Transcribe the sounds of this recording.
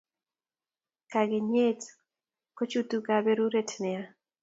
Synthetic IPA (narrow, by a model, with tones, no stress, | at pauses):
ka˨ɡe˨ɲe˦t | ko˦t͡ʃu˦tu˦ka˨be˦ɾu˦ɾe˦tnɛ˨a˦